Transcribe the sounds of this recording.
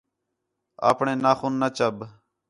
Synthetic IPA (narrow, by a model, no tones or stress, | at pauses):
a̰ːpɳeːnaːxuːnːət͡ʃəb